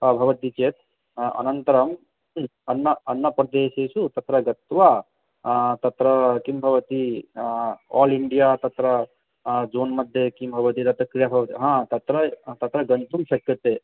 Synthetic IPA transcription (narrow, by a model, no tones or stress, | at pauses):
ɐbʱɐʋɐt̪it͡ʃeːt̪ | ɐ̰nɐnt̪ɐɾɐm | ɐnːɐɐnːɐpɾɐd̪eːsesut̪ɐt̪ɾɐɡɐt̪wa | t̪ɐt̪ɾɐkimbʱɐʋɐt̪i | ɔːliɳɖijat̪ɐt̪ɾɐ | d͡ʒoːnmɐd̪ʱjekimbʱɐʋɐt̪it̪ɐt̪ɾɐkɾijabʱɐʋt̪iɦãt̪ɐt̪ɾɐt̪ɐt̪ɾɐɡɐnt̪umsɐkːɐt̪e